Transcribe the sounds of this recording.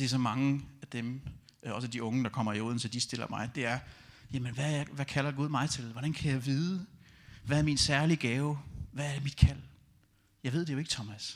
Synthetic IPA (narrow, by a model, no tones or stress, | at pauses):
d̥e̝æɐsɒ̽mɑ̈ŋəæd̥em | ɒ̽səd̥iɔ̽ŋəd̥ɑ̈kʰɒ̽m̰ɐio̝ð̰ˠn̩sɒ̽d̥isd̥e̝l̰ɐmɑ̈ɪd̥e̝æɐjæmənʋæʋækʰælɐɡ̥uð̞ˠmɑ̈ɪt͡sʰe̝lʋɒɾ̥ænkʰæjɑ̈ɪʋiːðˠəʋææɐminsæɐliɡ̥ɛːʊʋææɐd̥emid̥kʰæl̰ | jɑ̈ɪʋe̝ð̞̰ˠd̥ejo̝e̝ɡ̥ət͡sʰɒmæs